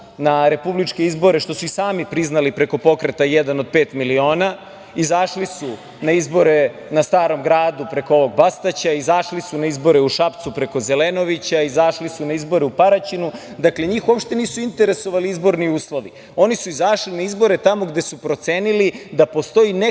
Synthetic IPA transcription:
naɾe̞publit͡ʃke̞izbo̞ɾeʃt̪o̞suisaːmipɾiznalipɾe̞ko̞po̞kɾe̞t̪ajɛd̪anod̪̚peːt̪milio̞ːna | izaʃlisu | naizbo̞ɾe̞ | nast̪aːɾo̞mɡɾaːd̪upɾe̞koo̞ʋo̞ɡ̚bast̪at͡ɕaizaʃlisunaizbo̞ɾe̞uʃapt̪supɾe̞ko̞ze̞leno̞ʋit͡ɕaizaʃlisunaizbo̞ɾeupaɾat͡ɕinu | d̪akle̞ɲiːxuopʃt̪e̞niːsuint̪eɾe̞so̞ʋaliizbo̞ɾniuːslˠo̞ʋi | o̞nisuizaʃlinaizbo̞ɾe̞t̪amo̞ɡd̪e̞supɾo̞t̪seːnilid̪apo̞st̪o̞jine

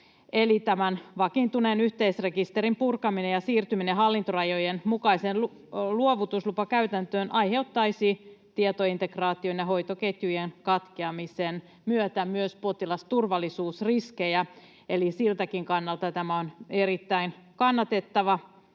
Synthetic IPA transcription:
elit̪æmænʋɑkint̪unenyht̪eisrekist̪eɾimpurkɑminejɑsiːrt̪ymineɦɑlːint̪orɑjojenmukɑisenlu | luoʋut̪uslupɑkæyt̪ænt̪øːnʔɑjhe̞ut̪ːɑisit̪iet̪oint̪ekrɑːt̪ionjɑɦo̞it̪oket̪jujenkɑt̪keɑmisen | myøt̪æmyøspo̞t̪ilɑst̪urʋɑlːˑisuːsriskejæ | elisilt̪ækiŋkɑnːɑlt̪ɑt̪æmæoneɾit̪ːæin | kɑnːɑt̪et̪ːɑʋɑ

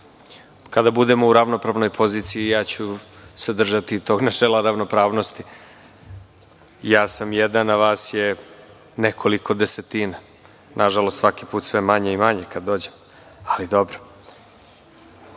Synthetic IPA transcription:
kad̪abud̪emo̞uɾaʋno̞pɾaʋno̞jpʰo̞ziːt̪sijijaːt͡ɕused̪r̩ʒat̪it̪oɡnat͡ʃelˠaɾaʋno̞pɾaːʋno̞st̪i | jaːsamjed̪anːaʋaːsje | nekʰo̞liko̞d̪eset̪iːna | nʔaʒalo̞st̪sʋakipuːt̪sʋemaɲeimaɲekad̪ːo̞ːd͡ʑem | alid̪o̞bɾo

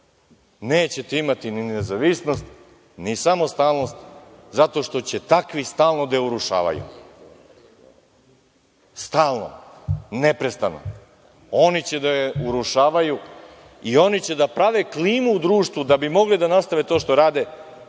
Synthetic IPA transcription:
ne̞ːt͡ɕet̪eimat̪ininezaʋisno̞st̪ | nisamo̞st̪aːlˠno̞st̪zat̪o̞ʃt̪o̞t͡ɕe̞t̪akʋist̪aːlˠnod̪ajeuɾuʃa̰ːʋa̰jṵ | st̪aːlˠno̰nepɾest̪ano̰ | o̞nit͡ɕed̪ajeuɾuʃaːʋaju | io̞nit͡ɕe̞d̪apɾaʋekliːmuːd̪ɾuːʃt̪ʋud̪abimo̞ɡlid̪anast̪aʋet̪o̞ːʃt̪o̞ɾaːd̪e̞

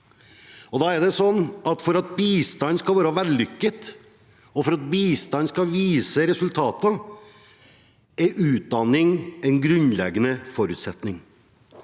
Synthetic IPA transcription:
ɔd̪ɑːæɖ̪ɛsɔnːɑt̪fɔɾɑt̪̚biːst̪ɑnskɑlʋæːɾəʋæːɾlʏkːət̪ | ɔfɔɾɑt̪̚biːst̪ɑnskɑʋiːsəɾɛsʉlt̪ʰɑːt̪ə | ɛʉːt̪̚d̪ɑnɪŋɛɪnɡɾʉnlɛɡːənəfɔɾʉːt̪sɛt̪nɪŋ

